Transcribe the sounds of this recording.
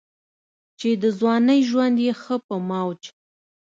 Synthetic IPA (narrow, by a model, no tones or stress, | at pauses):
t͡ʃed̪əzwɑnəjʒwand̪jexəpəmawt͡ʃ